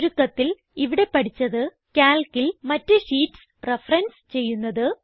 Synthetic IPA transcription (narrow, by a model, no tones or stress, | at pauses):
ɾukːɐt̪ːil | iʋiɽe̞pɐʈit͡ɕːɐðɨ | kaːlkilmɐtːɨɕiːʈs | re̞frɐnst͡ɕe̞jːunːɐðɨ